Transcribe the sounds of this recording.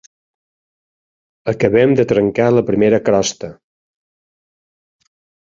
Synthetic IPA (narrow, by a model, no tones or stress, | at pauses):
əkəβɛmd̪ət̪ɾəŋkaləpɾimeɾəkɾɔst̪ə